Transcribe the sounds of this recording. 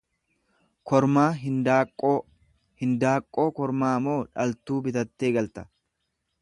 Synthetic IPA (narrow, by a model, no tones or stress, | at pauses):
kɔɾmaːɦɪnd̪aːkʼːoː | hɪnd̪aːkʼːo̞ːkɔɾmaːmoːᶑɐlt̪uːbɪt̪ɐt̪ːeːɡɐlt̪ɐ̥